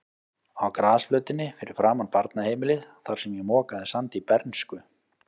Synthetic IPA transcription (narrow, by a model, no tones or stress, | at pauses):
awkɾaːsflœːɥt̪ɪnːɪfɪɾɪɾ̥fɾaːmanpaɾt̪nahejmɪlɪðθaɾ̥sɛmjɛmɔːkaðɪsant̪ipɛɾnskʏ